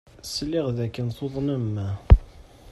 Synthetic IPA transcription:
slːiʁðækːənθoðˤnəmːæ

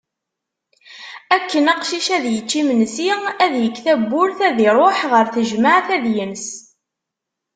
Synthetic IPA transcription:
ækːənɑqʃiʃæðjət͡ʃːimənsiæðjəkːθæbːʊɾθæðiɾˤoħʁəɾθəʒmaʕθæðjəns

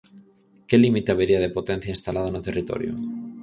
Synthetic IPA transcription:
kelimit̪eaβeɾiað̞epo̞t̪ẽn̟θjainst̪alað̞onut̪erit̪o̰ɾjo̰

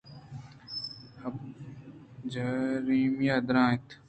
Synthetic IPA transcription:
ɐb̚ | d͡ʒɐɾiːmjaːd̪ɾãːt̪ʰ

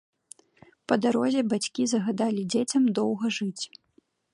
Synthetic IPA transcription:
pɐd̪aɾɔzʲɛbat͡sʲkʲizɐɣad̪alʲid͡zʲet͡sʲɐmd̪ɔwɣɐʐɨt͡sʲ

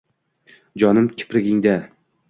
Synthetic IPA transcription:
d͡ʒɒnɪmkʲʰɪ̥pɾɪɡʲɪŋd̪a

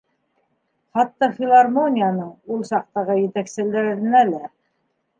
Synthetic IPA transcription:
χɑt̪ːɑfʲɪlˠarmonʲijanɤɴulˠsɑq̚t̪ɑʁɤjɘ̆t̪æksɘ̆læɾɾɘ̆nælæ

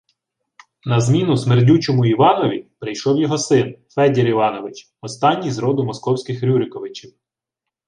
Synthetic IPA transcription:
nɐzmʲinʊsmerdʲut͡ʃɔmʊiʋɑnɔʋʲipɾɪjʃɔwjɔɦɔsɪnfɛdʲeɾiʋɑnɔʋɪt͡ʃ | ɔst̪ɑnʲːijzɾɔd̪ʊmɔskɔwsʲkɪxɾʲuɾɪkɔʋɪt͡ʃiw

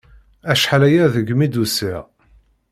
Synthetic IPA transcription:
æʃħalæjæðəɡmid̪usiʁ

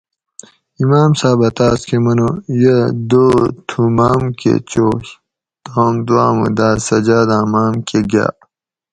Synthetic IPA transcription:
imaːmsaːbɐt̪aːskʰemɐnojɐd̪oːt̪ʰumaːmkḛt͡ɕoːɕ | t̪ɣɐmd̪waːmṵd̪aːsɐd͡ʑaːd̪ãːmaːmkeɡa̰ː

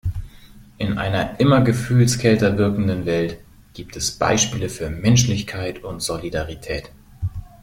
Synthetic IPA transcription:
ʔɪnʔa̰ɪnɐʔɪmɐɡəfyːlskʰɛltɐvɪɐkŋ̩dənvɛlt | ɡ̥iːp̚tʰɛsb̥a̰ɪʃpiːləfyːɐmɛnʃlɪçkʰaɪtʊntz̥olidaʁitʰɛːt

